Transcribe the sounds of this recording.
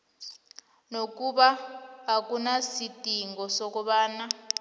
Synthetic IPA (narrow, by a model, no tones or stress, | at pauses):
nokuɓaɦakunasitʼiŋɡɔsokuɓaːna